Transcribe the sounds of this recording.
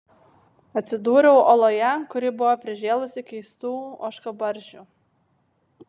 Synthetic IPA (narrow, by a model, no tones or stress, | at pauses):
ɐt̪ʲsʲɪd̪uːɾʲɛʊʔoːlˠoːjɛkʊɾʲɪbʊʋɔpʲɾʲɪʒʲeːlˠʊsʲɪkʲɛɪst̪uːo̰ːʃkɐbɐɾʲʒʲuːˑ